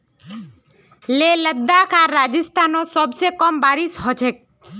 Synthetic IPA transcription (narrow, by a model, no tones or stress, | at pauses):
leləd̪ːakʰaɾad͡ʒist̪ʰanosɔbsekɔmbaɾiʃɦɔt͡ʃʰek̚